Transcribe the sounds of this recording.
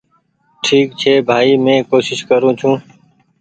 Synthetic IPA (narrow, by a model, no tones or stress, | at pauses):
ʈʰiːk̚t͡ʃʰeːbʱaːiːmẽːkoːʃɪʃkəɾũːt͡ʃʰũː